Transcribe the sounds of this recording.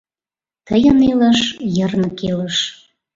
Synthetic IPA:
t̪əjəneləʃjərnəkeləʃ

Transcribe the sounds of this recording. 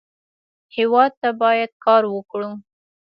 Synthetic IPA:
hewɑd̪̚t̪abɑjad̪̚kɑɾwəkɽu

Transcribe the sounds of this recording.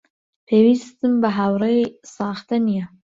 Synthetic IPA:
pʰeːwiːst̪ɨmbɨɦawɾejsɑːxt̪ɐnijɛ

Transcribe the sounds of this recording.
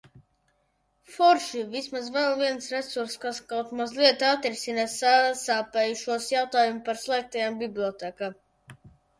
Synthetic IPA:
fɔɾʃivismazvɛlˠviɛnsɾesuɾskaskawt̪mazlˠiɛt̪at̪ɾisinasasaːpɛjuʃuɔsjawt̪aːjumpaɾslˠɛːk̚t̪ajambʲiblʲiɔt̪ɛkam

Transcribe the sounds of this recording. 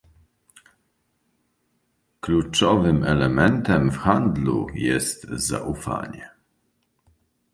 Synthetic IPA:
klut͡ʂɔvɘmɛlɛmɛnt̪ɛmfxand̪lṵjɛst̪za̰ʔufa̰ɲɛ

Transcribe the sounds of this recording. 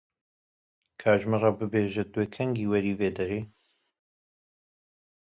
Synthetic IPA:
kʰaːʒmɛrɑːbɨbeːʒɛd̪weːkʰɛŋɡiːwɛɾiːveːd̪ɛɾeː

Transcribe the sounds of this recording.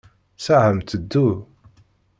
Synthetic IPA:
sahəmt̪əd̪ːu

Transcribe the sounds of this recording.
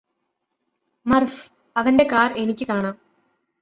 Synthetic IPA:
mɐrf | ɐʋɐnde̞kaːre̞nikʲːɨkaːɳaːm

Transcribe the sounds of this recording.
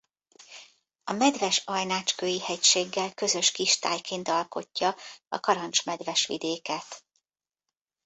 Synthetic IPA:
ɒmɛd̪vɛʃɒjnaːt͡ʃkøːjihɛcʃeːɡːɛlkø̞zø̞ʃkiʃt̪aːjkeːnt̪ɒlko̞cːɒɒ̰kɒɾɒnt͡ʃmɛd̪vɛʃʋḭd̪eːkɛt̪

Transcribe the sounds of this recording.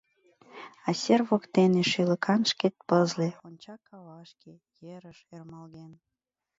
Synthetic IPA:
ɑsʲerβokt̪eneʃyləkʰɑnʃket̪̚pəzleonʲt͡ɕɑkːɑβɑʃke | jeɾəʃermɑlɣen

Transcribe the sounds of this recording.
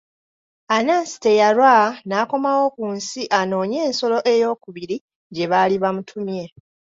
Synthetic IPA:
anasi̥te̞jaɾwanaːko̞mawo̞kunsiʔano̞ːɲe̞ːnso̞lo̞ʔe̞jo̞ːkuβiɾi | ɟe̞βaliβamutʰumje̞

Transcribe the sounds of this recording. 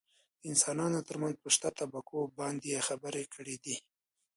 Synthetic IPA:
əɪnsɑnɑnot̪əɾmanzpəʃt̪at̪abakʰobɑnd̪jexabəɾekəɽed̪i

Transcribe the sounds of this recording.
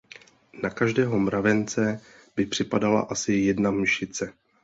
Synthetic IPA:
nakaʒdɛːɦo̞mɾavɛnt͡sɛ | bɪpr̝̥ɪpadala̰ʔasɪjɛdnamʃɪt͡sɛ

